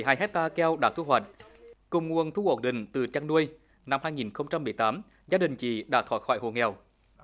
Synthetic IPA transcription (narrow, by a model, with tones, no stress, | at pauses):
jɦaː˧jɦɛ˦˥t̚t̪aː˧kɛ˧wɗa̰ː˧˥t̪ʰu˧ɦwa̰˨˩jt̟̚kʊ˨˩ŋ͡mŋu˨ənt̪ʰu˧ʔo˧˩nɗï˨˩ŋ̟t̪ɨ˨˩t͡ɕaː˧ŋnu˧əj | na˧mɦaː˧jŋi˨˩nxə˧wŋ͡mt͡ɕa˧mːɨ˨˩əjt̪aː˨˦m | zaː˧ɗï˨˩ŋ̟t͡ɕḭ˧˩ɗa̰ː˧˥t̪ʰwaː˧˩xɔ̰˧˩˨jho˨˩ŋɛ˨˩w